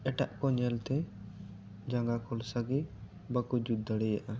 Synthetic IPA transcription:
ɛʈa̰ʔkɔɲɛlt̪ɛ | d͡ʒaŋɡakɔlsaɡɛ | bakud͡ʒud̪aɽɛjaʔa

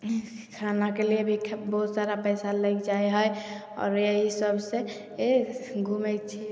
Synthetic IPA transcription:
kʰɾanakeliebʱikʰbəɦut̪saɾapəjsaləjkd͡ʒaeɦəj | ɔ̰ːɾjeɦisəbʱsẽ | eɡʱumɛjt͡ʃʰi

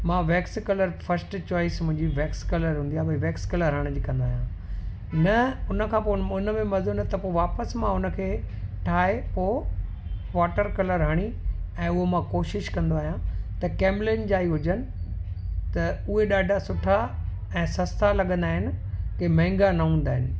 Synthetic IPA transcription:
mãːʋeːkskɐləɾfʰɐɾsʈt͡ɕɔːɪsmʊ̃ɦɪ̃ɲd͡ʑiʋeːkskɐləɾɦũnd̪ijaːbɐiʋeːkskɐləɾɦaɽ̃d͡ʑiːkɐ̃nd̪aːɦijã | nɐʊnə̆kʰãpoʊnəmẽmɐzonət̪ɐpoːʋaːpəsmãʊnə̆kʰeː | ʈʰaːepoː | ʋaːʈəɾkɐləɾɦaːɽ̃iɛ̃ːʊɦomãkoːʃɪʃkɐ̃nd̪oaːɦijãt̪ɐkeːmleːnd͡ʑaːiɦʊd͡ʑənɪ̆ | t̪ɐʊɦeɗaːɖʱasʊʈʰa | ɛ̃ːsɐst̪alɐɠə̃nd̪aːɦɪnɪ̆kemɐ̃ɦɪ̃ŋɡanɐɦũːnd̪aːɦɪnɪ̆

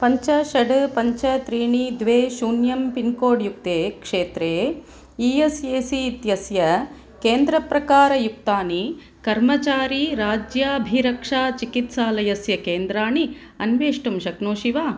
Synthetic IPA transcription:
pɐɲt͡ʃɐʃɐɖpɐɲt͡ʃɐt̪ɾiːɳid̪ʋeːʃuːnjɐmpinkoːɖjuk̚t̪eːkʂeːt̪ɾeː | ijesjeːsiːt̪jɐsjɐ | keːnd̪ɾɐpɾɐkaːɾɐjuk̚t̪aːni | kɐɾmɐt͡ʃaːɾiːɾaːd͡ʒjaːbʱiɾɐkʂaːt͡ʃikit̪saːlɐjɐsjɐkeːnd̪ɾaːɳi | ɐnʋeːʂʈumʃɐknoːʃiʋaː

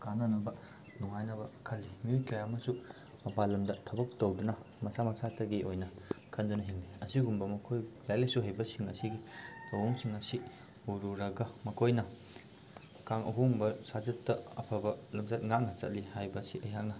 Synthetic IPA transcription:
kanɐnɐbɐ | nuŋajnɐbɐkʰɐlːimiojkɐjamɐsu | mɐpalɐmdɐtʰɐbɐk̚towdunɐmɐsamɐsatɐɡiʔojnɐkʰɐndunɐɦiŋliɐsiɡumbɐmɐkʰojlajlɐsuɦajbɐsiŋɐsiɡitɐwoŋsiŋɐsi | uɾuɾɐɡɐmɐkʰojnɐ | kaŋʔɐ̰ɦoŋbɐsazɐtːɐɐ̰pʰabɐlumzɐt̚ŋak̚nɐt͡ʃɐ̰t̚lihajbɐsiʔɐjak̚nɐ

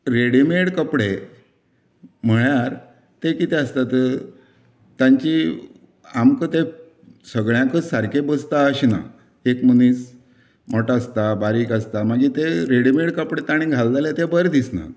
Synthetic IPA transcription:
ɾeɽimeɽkəpɽe | m̤əɭjaɾ | t̪ekit̪eəst̪at̪ə | t̪jãɲt͡ɕi | amkət̪e | səɡɭjãkəsaɾkʰebəst̪aəɕina̰ | ekməniːs | moʈast̪abaɾiːkəst̪amaɡit̪eɾeɽimeɽkəpɽet̪aɽ̃iɡʱald͡z̪alet̪ebəɾd̪isna̰t̪

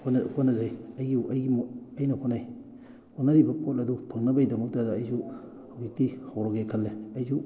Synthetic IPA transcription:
nhonɐzajaɡiɐjɡimɐjnɐhonaj | honɐɾibɐpot̚ɐdupʰɐŋnɐbɐjdɐmɐk̚tɐdɐːjzu | awik̚tihawɾɔɡekʰɐlːeajzu

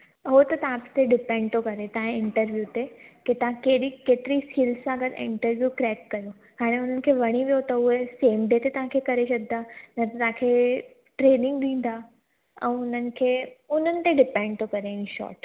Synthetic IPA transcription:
ɐɦot̪ɐt̪ɐãpst̪eɖɪpɛ̃ːɳɖt̪ʰokɐɾet̪ɐ̃ɦãẽɪ̃ɳʈəɾʋjut̪eket̪ɐʋ̤ãkeːɗikeːt̪ɪɾiskiːlssãɡəɾɪ̰̃ɳʈəɾʋjukɾɛːkːɐjo | kaːɽ̃eʊn̤ənɪ̆kʰeːʋɐɽ̃iʋijot̪ɐʊɦeseːmɖeːt̪et̪ɐʋ̤ɦãkʰekɐɾeʃɐɡɪd̪anɐt̪t̪ɐãkʰeː | ʈɾeːnɪ̃ŋɡɗĩːn̆d̪a | ɛ̰̃ːʊn̤ənɪ̆kʰeːʊn̤ənɪ̆t̪eɖɪpɛ̃ːɳɖ̚t̪ʰokɐɾeɪ̃ʃɔ̰ːʈ

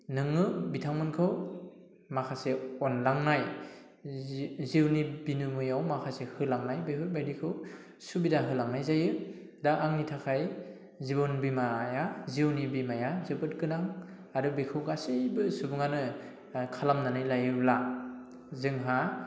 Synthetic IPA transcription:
nɯŋɯbitʰaŋmɯnkʰɯw | makʰaseɔnlaŋnaj | ziwnibinumɯjawmakʰasehɯlaŋnajbeɦʰɯj̚bajdikʰɯw | subidaɦɯlaŋnajzajɯ | daʔaŋnitʰakʰaj | zibɔnbimajaziwnibimajazɯbɯt̚kɯnaŋ | aɾɯbekʰɯwɡasebɯsubɯŋanɯ | kʰalamnanajlajɯla | zɯŋɦa

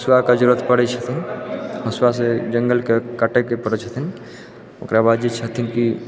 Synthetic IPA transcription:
swakad͡ʒʊɾət̪pɐɽet͡ʃʰɐt̪ʰinɦɐswas̬ed͡ʒɐ̃ŋɡəlkekəʈəkepəɽət͡ʃʰɐt̪ʰin | okɾabaːd̪d͡ʒit͡ʃʰət̪ʰinki

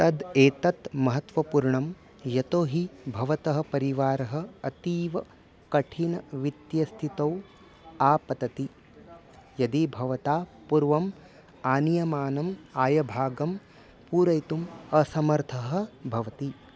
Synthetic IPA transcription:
t̪ɐd̪eːt̪ɐt̪mɐɦɐt̪ʋɐpuɾɳɐm | jɐt̪oːɦibʱɐʋɐt̪ɐɦɐ̆pɐɾiʋaːɾɐɦɐ̆ɐt̪iːʋɐ | kɐʈʰinɐʋit̪jɐst̪ʰit̪ɐw | aːpɐt̪ɐt̪i | jɐd̪ibʱɐʋɐt̪aːpuɾʋɐm | aːnijɐmaːnɐmaːjɐbʱaːɡɐm | puːɾɐjt̪umɐsɐmɐɾt̪ʰɐɦɐ̆bʱɐʋɐt̪i

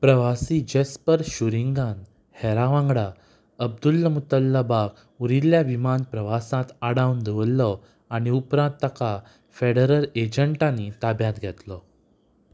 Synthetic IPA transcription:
pɾəʋasid͡ʑespəɾɕuɾiŋɡan | hɛɾaʋãŋɡɽa | əb̚d̪ulːəmut̪əlːəbaɡ | uɾiljaʋimanpɾəʋasãt̪aɽawnd̪eʋəlːɔ | aɽ̃iupɾãnt̪ːaka | feɽəɾəled͡ʑəɳʈãnit̪abjãt̪ɡʱɛt̪lɔ

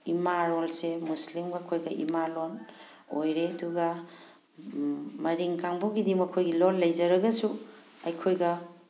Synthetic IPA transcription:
imaɾolsemuslimɡɐkʰojɡɐʔḭmalon | ojɾeduɡɐ | mɐɾiŋkaŋbuɡidimɐkʰojɡilolːɐjd͡ʒɐɾɐɡɐsu | ɐjkʰojɡɐ

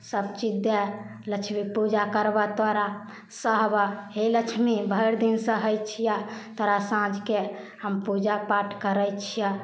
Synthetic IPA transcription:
səbt͡ʃid̪e | ləkt͡ʃʰmipud͡ʒakəɾbat̪aɾa | səɦbaɦeləkt͡ʃʰmibʱəɪɾd̪insə̃ɦəjt͡ʃʰijat̪əɾasãd͡ʒke | həmpud͡ʒapaʈʰkəɾət͡ʃʰija

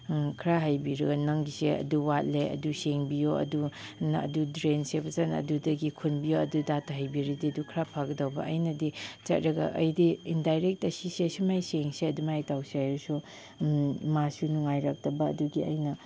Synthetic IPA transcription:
kʰɾaɦajbiɾɐɡɐnɐŋɡiseɐ̰duwat̚leɐ̰duseŋbijoɐ̰dunɐ̰dudɾensepɐzɐnɐ̰dudɐɡikʰunbijoɐdudatʰɐɦajbiɾidiɐdukʰɾapʰaɡɐdɐwbɐʔɐjnɐdit͡ʃɐt̚ɾɐɡɐ̰ʔɐ̰jdiindajɾek̚tɐsisesimajseŋseɐdumajtawsajɾusu | masunuŋajɾak̚tɐbɐ̰ːduɡiɐjnɐ

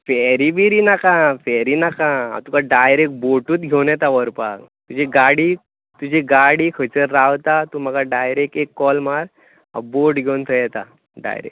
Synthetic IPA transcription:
fɛɾibiɾinakãfɛɾinakãa̰t̪ukaɖajɾek̚boʈuːt̪ɡʱewnɛt̪aʋəɾpa̰kt̪ud͡ʑiɡaɽi | t̪ud͡ʑʱiɡaɽikʰət͡ɕəɾːawt̪at̪umaɡaɖajɾekekːɔlmaɾ | a̰boɾʈɡʱewnt̪ʰəjɛt̪a | ɖa̰jɾḛ

